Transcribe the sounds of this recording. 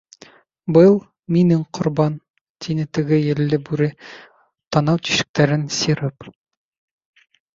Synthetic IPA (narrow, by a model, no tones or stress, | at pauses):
bɤlˠ | minɘŋqʰŏɾbɑn | t̪ʰinɘt̪ɘ̆ɡɘjɘ̆lːɘbʉɾɘ | t̪ɒnɑwt̪i̥ʃɘ̥̆k̚t̪æɾɘnsiɾɤp